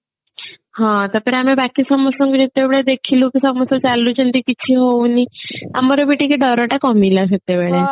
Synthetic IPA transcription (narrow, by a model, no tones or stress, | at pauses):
hãt̪ɔpeɾamebakisɔmɔsɔŋkud͡ʒit̪ːebɭed̪ekʰilũkisɔmɔsɔt͡ʃalut͡ʃənʈ̪ikit͡ʃʰiɦonia̰mɔɾobeʈikeɖɔɾɔʈakɔmilaʃ̬et̪ebeɭe